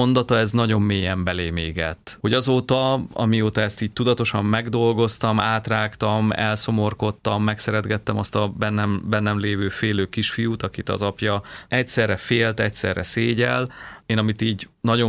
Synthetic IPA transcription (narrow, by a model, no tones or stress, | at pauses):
ond̪ɒt̪ɒɛznɒɟo̞mːeːjɛmbɛleːmeːɡɛt̪ːho̞ɟɒzoːt̪ɒɒ̰mijoːt̪ɒɛst̪iːɟ̚t̪ud̪ɒt̪o̞ʃɒmːɛɡd̪o̞lɡo̞st̪ɒmaːt̪raːkt̪ɒmɛ̰lso̞mo̞rko̞t̪ːɒmːɛksɛɾɛd̪ɡɛt̪ːɛmɒst̪ɒbɛnːɛmbɛnːɛmleːvøːfeːløːkiʃfijut̪ɒkit̪ɒ̰zɒpjɒɛcsɛrːɛfeːlt̪ɛcsɛ̰rːɛ̰seːɟɛ̰leːnɒmit̪iːɟnɒɟo̞